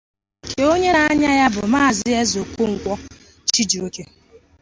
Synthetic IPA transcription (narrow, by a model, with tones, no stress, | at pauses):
kʰe˨o˦ɲe˦na˦a˦ɲa˦ja˦bʊ˨ma˦a˨zɪ˦e˦zo˨kʷu˦ŋ̩˨kʷɔ˦ | t͡ʃi˦d͡ʒi˨o˦ke˦